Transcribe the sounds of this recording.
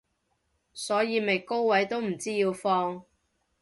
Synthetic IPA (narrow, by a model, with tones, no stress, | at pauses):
sɔː˨˥jiː˨˧me˨˩jko˥wwɐ˨˥jt̪o˥wm̩˨˩t͡siː˥jiː˧wfɔː˧ŋ